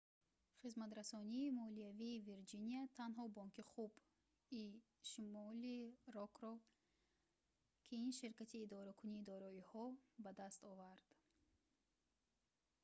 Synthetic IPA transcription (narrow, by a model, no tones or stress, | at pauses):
χizmat̪ɾasɔniːmɔliaviːviɾd͡ʒiniat̪ʰanɦɔbɔŋkiχub | i | ʃimɔliɾɔkɾɔ | kʰiinʃiɾkat̪ʰiːd̪ɔɾakʰuniːd̪ɔɾɔihɔbad̪ast̪ɔvaɾd̪̥